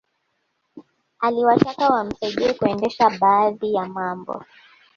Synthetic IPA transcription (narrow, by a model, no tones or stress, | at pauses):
aliwatakawam̩sɛʄɛkuɛndɛʃaɓaːðijamambɔ̰